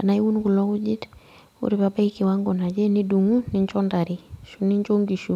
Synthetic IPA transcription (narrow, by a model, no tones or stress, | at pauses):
kanaiwunkulɔkuɟit | ṵɾibabaikiwaŋɡɔnad͡ʒɛniduŋuniɲt͡ʃɔndaɾiʃuniɲt͡ʃoŋɡiʃu